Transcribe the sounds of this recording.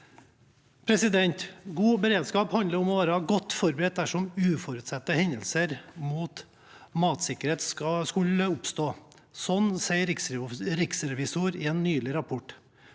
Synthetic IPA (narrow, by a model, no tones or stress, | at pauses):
pʰɾɛsɪd̪ɛnt̪ɡuːbəɾeːd̪skɑːphɑnd̪əɾɔmɔʋæːɾəhɑɡɔt̪ːfɔɾbɾɛːt̪̚d̪æʂɔmʉːfɔɾʉːt̪sɛt̪ːəhɛnd̪əlsəɾmuːt̪ | mɑːt̪sɪkəɾeːt̪sɑskʉləʊpst̪oː | sɔnsæɪɾɪksɾɪksɾɛʋɪsuːɾɪeːnːyːlɪɾɑpʰɔʈ